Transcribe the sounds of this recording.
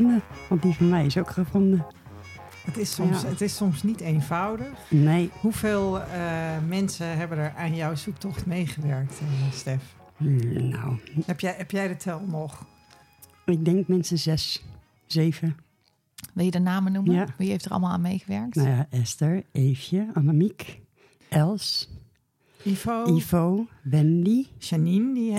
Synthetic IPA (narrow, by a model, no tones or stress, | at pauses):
ndəʋɑnt̚divɑnmɛjɪsowkχəvɔndə | ətɪsɔmətɪsɔmsnitejnvawdəxnejhuv̥eːlˠəmɛnsəɦɛbənəɹanjɔwsuk̚tɔχtmejχəʋɛɹk̚tstɛf | na̰wɛpjɛɛpjɛjdətʋɛlˠnɔχ | ɪk̚dɛŋkmɛnsəzɛs | z̥eːvə | ʋɪlˠjədənaːmənumjəjaʋiheftərɑ̰lˠmalˠa̰ːnmejɣəʋɛɹk̚tnajaʔɛstəɹejfjəanamik | ʔɛlˠs | ifoifowʋɛndisanindi